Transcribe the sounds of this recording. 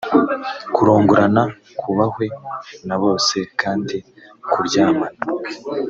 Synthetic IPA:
kuɾoːŋɡuɾana | kʰuβahwe̞naβo̞ːse̞kʰaːndi | kʰuɾɟaːmana

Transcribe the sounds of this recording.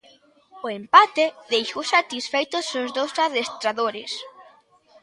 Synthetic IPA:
ʊempat̪eðejʃowsat̪isfejt̪ʊsozðowsaðest̪ɾaðoɾɪs

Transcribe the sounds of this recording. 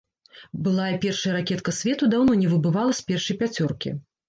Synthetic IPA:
bɨlˠajɛpʲɛrʂɐjɐɾakʲɛt̪kɐsʲvʲɛt̪ud̪awnɔnʲɛvɨbɨvalˠɐsʲpʲɛrʂɐjpʲat͡sʲɔrkʲḭ

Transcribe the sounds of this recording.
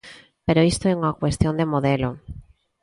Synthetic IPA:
peɾoist̪oeuŋakwest̪jond̪emoðelo

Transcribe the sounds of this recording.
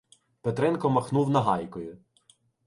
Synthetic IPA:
pet̪ɾɛnkɔmɐxnuwnɐɦɑjkɔjʊ

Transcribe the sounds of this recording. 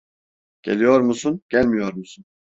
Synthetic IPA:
ɟ̥elʲijo̞ɾmusunɟ̥ælʲmijoɾmusun

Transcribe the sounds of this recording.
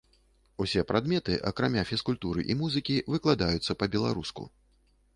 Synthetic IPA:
usʲɛpɾad̪mʲɛt̪ɨʔɐkɾamʲafʲiskulʲt̪uɾɨʔimuzɨkʲivɨklˠad̪ajut̪sːɐpɐbʲɛlˠaɾuskṵ

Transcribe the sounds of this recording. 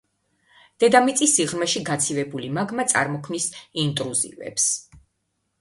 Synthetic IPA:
d̪̥ɛd̪amit̪sʼisːiʁɾmɛʃiɡat̪sʰivɛbulimaɡmat̪sʼa̰ɾmɔkʰmnisint̪ʼɾuzḭvɛ̰ps

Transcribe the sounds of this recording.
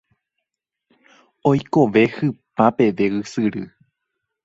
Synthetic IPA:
o̞jko̞ʋe̞hɨpape̞ʋe̞ɨsɨɾɨ̰

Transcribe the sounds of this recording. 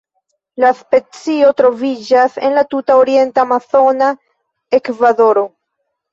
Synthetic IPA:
laspe̞t͡sio̞tɾo̞vid͡ʒase̞̰nlatutaoɾie̞ntamaθo̞na | e̞kvado̞ɾo̞

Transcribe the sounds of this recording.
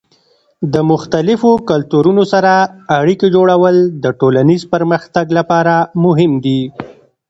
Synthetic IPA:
d̪əmʊxt̪alɪfokalt̪uɾunosaɾaːɽiked͡ʒoɽawəld̪əʈolanizpəɾməxt̪aɡlapɑɾamʊɦɪmd̪i

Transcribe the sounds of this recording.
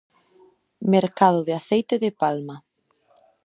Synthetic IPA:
meɾkaðʊðɪaθejt̪eðepalma

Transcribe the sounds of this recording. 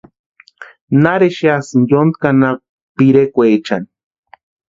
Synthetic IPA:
naɾeʃiasɨnjond̪kana | piɾekʷet͡ʃa̰n

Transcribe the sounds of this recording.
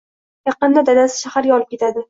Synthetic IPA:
jɑqɨnd̪ad̪ad̪asɪ̥ʃahaɾjɒlˠɪp̚kʲʰe̞t̪ʰad̪ɪ

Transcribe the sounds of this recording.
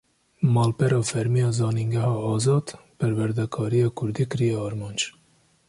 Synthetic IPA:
mɑːlpɛɾɑːfɛɾmijɑːzɑːniŋɡɛɦɑːɑːzɑːd̪pʰɛɾwɛɾd̪ɛkʰɑːɾijɑːkʰʊɾd̪iːkɨɾijɛɑɾmɑːnd͡ʒ

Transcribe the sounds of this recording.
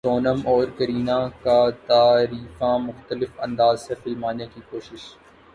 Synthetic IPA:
soːnəmɔːɾkɐɾiːnãkat̪aːɾiːfãːmʊxt̪əlɪfɐ̃nd̪aːzsefɪlmaːnekiːkoːʃɪʃ

